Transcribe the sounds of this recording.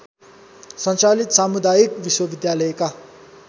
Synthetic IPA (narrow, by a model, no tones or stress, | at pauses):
sʌ̃nt͡salit̪samud̪ajikʋiswʌbid̪jalʌjeka